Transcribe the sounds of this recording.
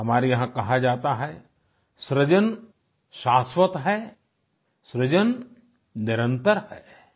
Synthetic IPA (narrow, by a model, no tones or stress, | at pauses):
ɦɐmaːɾijɐɦãkɐɦad͡ʒaːt̪aɦɛ | sɾəd͡ʒən | ʃaːsʋət̪ɦɛ | sɾəd͡ʒən | nɪɾə̃nt̪əɾhɛː